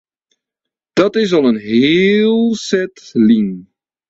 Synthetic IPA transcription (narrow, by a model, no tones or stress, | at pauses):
d̥ɑtɪs̬ɑlˠənɦeːlˠsɛtliŋ